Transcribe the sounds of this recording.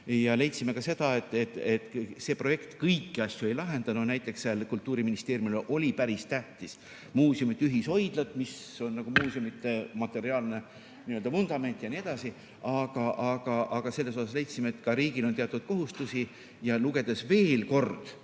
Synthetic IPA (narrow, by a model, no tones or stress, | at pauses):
jɑle̞jt̪sime̞kɑse̞d̪̥ɑet̪ːˑet̪ːet̪ːseːpro̞je̞kt̪kɤjkːiɑsʲjue̞jlɑɦe̞nd̪̥ɑnonæjt̪ːˑe̞ksːeɑlkult̪ːuːɾiminist̪eːɾjumʔo̞lʲipæɾist̪æht̪is | muːsiumit̪ːˑyɦiso̞jd̪̥lɑt̪miso̞nːɑɡ̥umuːsiumit̪ːˑemɑt̪ːe̞ɾiɑːlne̞ | niøld̪ɑmund̪̥ɑme̞nt̪ˑjɑnie̞d̪̥ɑsi | ʔɑɡ̥ɑʔɑɡ̥ɑʔɑɡ̥ɑse̞lːe̞so̞sɑsle̞jt̪simeet̪ːkɑɾiːɡilo̞nt̪eɑt̪ːˑud̪̥̚ko̞ɦust̪usi | jɑluɡ̥e̞d̪̥esve̞ːlko̞rd̪̥